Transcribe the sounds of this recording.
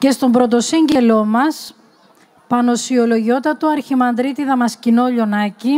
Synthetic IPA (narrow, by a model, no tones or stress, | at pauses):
ce̞st̪o̞mbɾo̞t̪o̞siɲɟe̞lo̞mɐs | pɐno̞siolo̞ʝio̞t̪ɐt̪uɐɾçimɐnd̪ɾit̪iðɐmɐscino̞ʎo̞nɐci